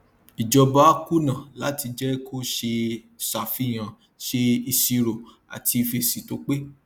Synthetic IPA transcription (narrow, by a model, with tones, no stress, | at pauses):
i˨d͡ʒɔ˧ba˦ku˦nã˨la˨˦ti˧d͡ʒɛ˦kʰo˦ʃe˧ | sa˨fi˨˦˨j̃ã˨ | ʃe˧i˨si˧ɾo˨ | a̰˨ti˧fe˧si˨to˨˦k͡pe˦